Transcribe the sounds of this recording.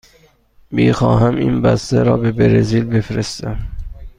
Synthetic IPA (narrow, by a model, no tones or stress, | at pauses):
miːxɒːɦæminbæst̪æɾɒːbebeɾeziːlbefɾest̪æm